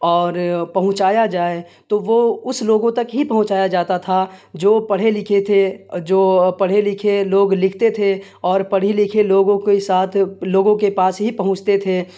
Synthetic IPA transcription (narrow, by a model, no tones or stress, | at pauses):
ɔːɾpɐɦʊ̃t͡ʃaːjad͡ʒaːe | t̪oʋoːʊsloːɡõt̪ɐkɦipɐɦʊ̃t͡ʃaːjad͡ʒaːt̪at̪ʰad͡ʒoːpɐɽ̤elɪkʰet̪ʰed͡ʒoːpɐɽ̤elɪkʰeloːɡlɪkʰt̪et̪ʰe | ɔːɾpɐɽ̤ilɪkʰeloːɡõkesaːt̪ʰloːɡõkepaːsɦipɐɦʊ̃t͡ʃt̪et̪ʰeː